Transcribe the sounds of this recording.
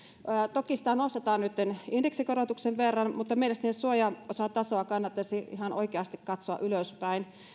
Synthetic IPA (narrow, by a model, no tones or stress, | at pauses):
əːt̪okisi̥t̪ænost̪et̪ɑːnnyt̪ːenindeksikorot̪ukseʋʋerːɑnmut̪ːɑmeilest̪ænːssuojɑosɑt̪ɑsoɑkɑnːɑt̪ːɑsiihɑnʔo̰ikeɑst̪ikkɑt̪soɑ̰ʔyløspæin